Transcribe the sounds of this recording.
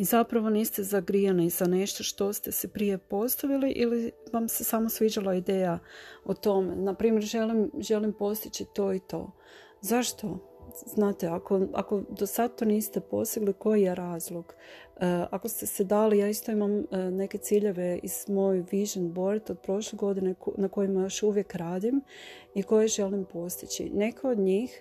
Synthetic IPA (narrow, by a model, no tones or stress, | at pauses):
izapɾaʋo̞niːst̪ezaɡɾianizane̞ʃt̪o̞ʃt̪o̞st̪e̞sepɾije̞po̞st̪aʋiliʔiliʋamse̞saːmosʋid͡ʑalaid̪e̞ːjaot̪o̞mḛnapɾiːmjeɾʒe̞limʒe̞limpo̞st̪it͡ɕit̪o̞ːit̪o̞̰ː | zaʃt̪o̞ | znaːt̪eako̞a̰ko̞d̪o̞sad̪̚t̪oniːst̪e̞po̞̰st̪iɡliko̞jijeɾaːzlˠoɡ̥ | ako̞st̪e̞sed̪aːlijaːist̪o̞imamne̞ke̞t̪siːʎe̞ʋe̞iz̥mo̞juʋiʒonbo̞ɾit̪od̪̚pɾo̞ʃleɡo̞d̪inenako̞jimajo̞ʃuʋje̞kɾaːd̪im | iko̞jeʒe̞limpo̞st̪it͡ɕḭne̞kʰeod̪ɲiːx